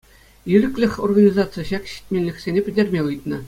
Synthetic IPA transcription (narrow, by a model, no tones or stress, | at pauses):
jiɾʲɘ̆klʲɘ̆xʲorɡanʲizɑt̪sɨjəɕɑkɕi̥t̚ʲmʲenʲlʲɘ̆kʲsʲenʲepʲɘ̆dʲerʲmʲeɯjt̪̚nɤ̆